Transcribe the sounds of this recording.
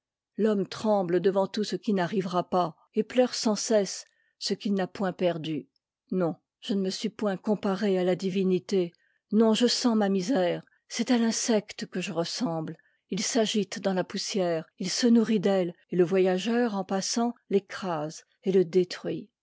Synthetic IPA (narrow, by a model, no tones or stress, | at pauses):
lɔmt̪χɑ̃bld̪əvɑ̃t̪usəkʲinaʁivʁapa | eplœʁsɑ̃sɛsː | əkʲilnapwɛ̃pɛʁd̪y | nɔ̃ | ʒ̥ənəməsɥipwɛ̃kɔ̃paʁealad̪ivinit̪e | nɔ̃ʒəsɑ̃mamizɛːʁ | sɛt̪alɛ̃sɛkt̪kəʒəʁəsɑ̃bl | ilsaʒit̪d̪ɑ̃lapusjɛʁilsənuʁid̪ɛleləvwajaʒœʁɑ̃pasɑ̃lɛkχaz | eləd̪et̪χɥi